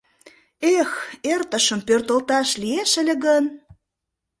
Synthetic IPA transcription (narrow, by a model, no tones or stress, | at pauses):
exert̪əʃəmpørt̪əlt̪ɑʃlieʃə̆lʲĕɣən